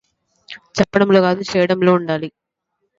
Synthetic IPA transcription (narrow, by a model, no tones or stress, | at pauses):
t͡ʃɐpːɐɽɐmloːɣaːðut͡ʃɛːjɐɽɐmloːuɳɖaːli